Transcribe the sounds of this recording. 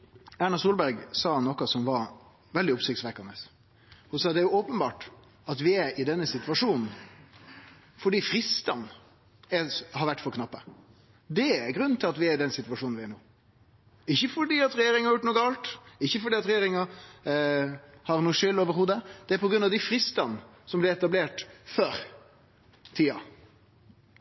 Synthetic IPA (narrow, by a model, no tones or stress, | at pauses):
æɳɑsuːlbæɾɡsɑːnɔkːɑsɔmʋɑɾ | ʋɛld̪ɪʊpsɪk̚t̪sʋɛkːɑnəs | hʊsɑːd̪ɛæɾjʊɔːpənbɑːʈ | ɑt̪ʋɪæɾɪd̪ɛnːəsɪt̪ʋɑʂuːnn̩ | fɔɖiːfɾɪst̪ɑn | ɛhɑɾʋæʈːfɔɾkʰnɑpːə | d̪ɛæɾɡɾʉnːnt̪ʰɪlɑt̪ʋɪæɪd̪ɛnsɪt̪ʋɑʂuːn̩ʋɪæɳoː | ɪçːəfɔɖiːɑt̪ɾɛjeːɾɪŋəɑɾjʊʈ̪̚ːnuːɡɑlt̪ɪçːəfɔɖiːɑt̪ɾɛjeːɾɪŋɑ | hɑɾnuːəʂʏlːoːʋəɾhuːd̪əd̪̥ɛæɾpʰɔɡɾʉnɑʋd̪ɪfɾɪst̪ɑn | sɔmblɪɾɛt̪ɑbleːʈføːɾ | t̪ʰiːɑ